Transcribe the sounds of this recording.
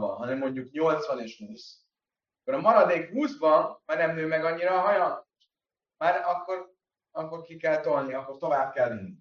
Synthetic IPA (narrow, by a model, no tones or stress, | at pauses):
bɒ̰nɦɒnɛmːo̞ɲɟukɲo̞lt̪sʋɒneːʃhuːs | kːoɾɒmɒɾɒd̪eːkɦuːzbɒnmarnɛmøːmɛɡɒɲːiɾɒːɦɒjɒnoʃ | maːɾɒkːo̞ɾ | ɒkːo̞rkikɛlt̪o̞lniɒkːo̞rt̪o̞vaːb̚kɛlːinːi